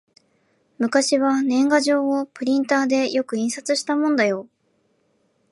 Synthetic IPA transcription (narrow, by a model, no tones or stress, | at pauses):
mɯ̟kaɕiβanẽ̞ŋɡaʑo̞ːopɯ̟ɾʲĩnt̪aːd̪e̞jo̞kɯ̟ĩɰ̃sat͡sɨɕi̥t̪amõ̞nd̪ajo̞